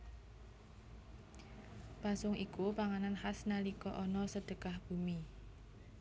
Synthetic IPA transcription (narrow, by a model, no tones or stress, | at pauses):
pasʊŋʔikupaŋananhasnalikɔʔɔnɔsəd̥ə̤ɡ̥ahb̥ṳmi